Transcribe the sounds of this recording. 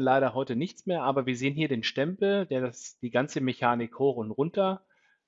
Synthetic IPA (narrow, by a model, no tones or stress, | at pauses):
nlaɪɾɐhɔʏtənɪçt͡smeːɐʔaːbɐviːɐzeːənɦiːɐdeːnʃtɛmpl̩deːɐdasd̥iːɡant͡səmeçaːnɪkhoːxʊntʁʊntɐ